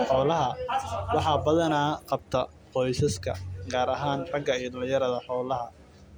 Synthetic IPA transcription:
ħɔːlɐɦɐwɑħɑbɐðɐnaːqɑb̚t̪ʰɐ | qɔjsɐskʰɐ̰ɡaːɾɐɦaːnrɐɡɐijɔd̪ɐljɐɾɐðɐħɔːlɐɦɐ

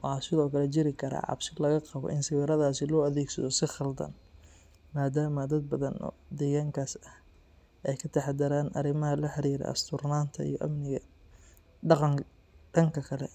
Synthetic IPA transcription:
wɑħɑːsɪðɔːkʰɐlɛt͡ʃɪɾɪkʰɐɾa̰ːʕɑ̰bʃɪlɐɣɐqɑβɔ̰ʔɪnsɪwɪɾɐðaːsɪlɔːɐðɛːɡsɐðɔsɪχɑld̪ɐ̰n | maːd̪aːmɐd̪ɐd̪̚bɐðɐnɔ̰ːd̪ɛːɣaːŋkʰaːsɐh | ʔɛjkʰɐt̪ʰɐħad̪ɐɾaːnʔɐɾɪmɐɦɐlɐħɑɾiːɾɛ̰ɐ̰st̪ʰʊrnaːnt̪ʰɐḭjɔʔɐmnɪɣɐ | ɖɑqɑŋ | ɖɐŋkʰɐkʰɐlɛ̰

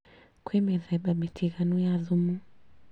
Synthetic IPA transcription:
kwɛmɛðɛɓaɓitʰiɣanujaðumu

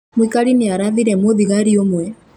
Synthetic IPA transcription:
mwikaɾiniaɾaðiɾɛmoðiɣaɾiomwɛ

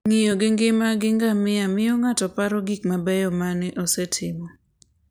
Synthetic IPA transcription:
ŋɪjoɡɪŋɡɪmaɡɪŋɡamɪamɪjoŋatɔpaɾɔɡikmabɛjɔmanɪʔosɛtʰɪmɔ

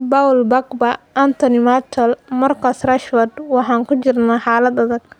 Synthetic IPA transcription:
bawlbɐɡbɐʔɐnt̪ʰɔnɪmat͡ʃ̪ɔlmɐrkʰɐsrɐʃwɐd̪wɑħɑːŋkʊt͡ʃɪrnaːħɑːlɐd̪ɐðɐɡ̥̚

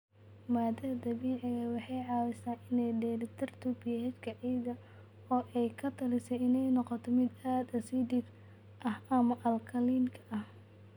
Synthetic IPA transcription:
maːd̪ɐɐd̪ɐβiːʕɪɣɐwɑħɑjʕɑːwɛsaːnɪnɛjɖɛːlɪt̪ʰɐrt̪ʰubijɦɛt͡ʃkʰɐʕiːðɐ | ɔːʔɛjkʰɐt̪ʰɐlɪsɛjɪnɛjnɔqɔt̪ʰɔmɪd̪aːd̪ɐsid̪ib | ʔɐhɐmɐʔɐlkʰɐliːnkʰɐ̥ɐh

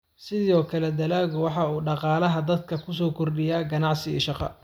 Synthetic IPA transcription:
sɪðɔːkʰɐlɛd̪ɐlaːɣʊwɑħɑuːɖɑqɑːlɐɦɐd̪ɐd̪̚kʰɐkʰʊs̬ɔːkʰɔrɖɪjaːɡɐnɑʕsɪḭːʃɑqɑ̰

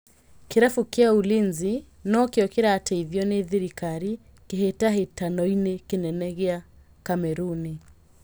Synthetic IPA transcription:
kiɾafukiaulinzi | nɔkiɔkiɾaːtɛiðjɔniðiɾikaɾi | kiɦetaɦitanɔinɛkinɛnɛɣɛa | kamɛɾuni

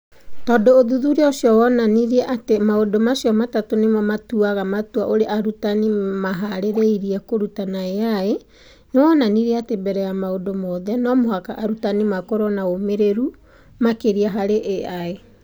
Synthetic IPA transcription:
tɔːdoːðuðuɾeosjɔwɔnaniɾiɛʔatemaodomasijɔmatatonemɔmatuaɣamatua̰ʔoɾeʔaɾutanimaɦaɾeɾeiɾiɛkoɾutanaeae | newɔnaniɾiɛatebɛɾɛjamaodomɔðɛnɔmohakaʔaɾutanimakɔɾɔnaomeɾeɾu | makeɾiaɦaɾeʔeae

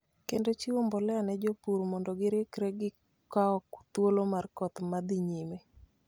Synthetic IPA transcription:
kendot͡ʃiwombɔlɛanɛd͡ʒopuɾmɔndɔɡɪɾekɾɛɡɪ | kaɔkt̪wolomarkɔt̪mad̪ɪɲime

